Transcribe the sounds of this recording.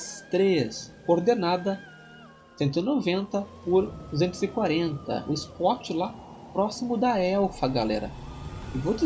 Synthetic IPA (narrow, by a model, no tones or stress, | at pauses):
st̪ɾeskoɾd̪enad̪ɐ | sẽnt̪ʊinovẽnt̪ɐpʊɾd̪uzẽnt̪ʊzɪkwaɾẽnt̪ɐ̰ʊ̰ɪspɔt͡ʃɪla | pɾɔsimʊd̪ɐɛwfɐɡalɛ̰ɾɐ̰ɪvod͡ʒɪ